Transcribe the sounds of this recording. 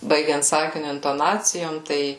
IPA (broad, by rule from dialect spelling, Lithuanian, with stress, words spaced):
ˈbɐɪɡʲɛnt ˈsɑːkʲɪnʲʊ ɪntoːˈnɑːt͡sʲɪjoːm ˈtɐɪ